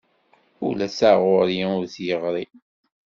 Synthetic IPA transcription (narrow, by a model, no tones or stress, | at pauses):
ṵlæsaʁʊɾjiʊɾθjəʁɾˤi